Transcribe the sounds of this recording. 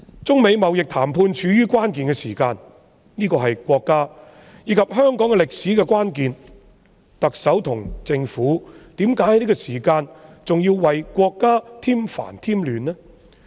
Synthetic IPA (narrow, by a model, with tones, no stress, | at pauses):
t͡sʊ˥ŋme˨˧jmɐ˨wjɪ˨k̚t̪ʰaː˨˩mpʰuː˧nt͡ʃʰyː˨˥jyː˥kʷaː˥nkiː˨nkɛː˧siː˨˩kaː˧n | niː˥kɔː˧ɦɐ˨jkʷɔː˧kːaː˥ | jiː˨˧kʰɐ˨p̚ɦœː˥ŋkɔː˨˥ŋɛ˧lɪ˨k̚siː˨˥kɛ˧kʷaː˥nkiː˨n | t̪ɐ˨k̚sɐ˨˥wt̪ʰʊ˨˩ŋt͡sɪ˧ŋfuː˨˥t̪iː˨˥mkaː˨˥jhnli˥kɔ˧siː˨˩kaː˧nt͡sʊ˨ŋji˧wwɐ˨jkʷɔː˧kːaː˥t̪ʰiː˥mfa̰ː˨˩nt̪ʰiː˥mlyː˨˧nːɛ˥